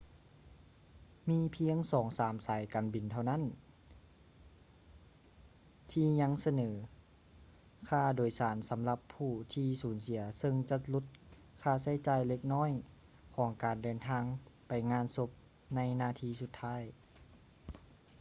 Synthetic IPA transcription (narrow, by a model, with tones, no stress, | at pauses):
miː˧˥pʰi˧˥əŋsɔː˨˩˦ŋsaː˩˦msaː˨˩˦jkaː˨˩nbi˨˩nt̪ʰa˧˩wna˦˥˨n | t̪ʰiː˧˩ɲa˧˥ŋsa˧nɤː˩˦ | kʰaː˧˩doː˨˩jsaː˩˦nsa˩˦mla˧pʰːuː˧˩t̪ʰiː˧suː˩˦nsi˨˩˦ɐsɤ˧ŋt͡ɕa˧lu˧˥t̪̚ | kʰaː˧˩sa˧˥˩jt͡ɕaː˨˧˩jle˧k̚nɔː˥˨j | kʰɔː˩˦ŋkaː˨˩ndɤː˨˩nt̪ʰaː˧˥ŋpa˨jŋaː˧˥˨nso˧˥p̚ | na˧˥˨jnaː˧˩t̪ʰiː˧su˧t̪ʰːaː˧˥˨j